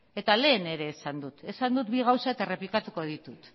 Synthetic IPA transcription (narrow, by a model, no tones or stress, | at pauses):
e̞t̪ale̞ːne̞ɾe̞ːsand̪ut̪e̞sand̪ut̪biɣawsaet̪aere̞plikat̪uko̞ð̞it̪ut̪